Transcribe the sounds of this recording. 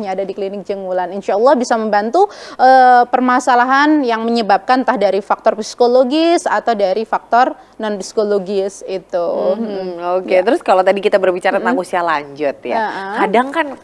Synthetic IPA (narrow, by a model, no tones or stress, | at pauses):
ɲaːdadiklinɪk̚d͡ʒəŋulaninʃaɑlˠːɑhbisaməmbant̪uʔəpərmasalaɦanjaŋməɲəbap̚kant̪ahdaɾifak̚t̪ɔrpisi̥koloɡɪsa̰t̪awdaɾifak̚t̪ɔr | nɔnpi̥si̥koloɡɪsit̪u | oket̪əɾʊskalawt̪adikit̪abərbit͡ʃaɾamaŋusialaɲd͡ʒʊt̪̚jaaʔakadaŋkan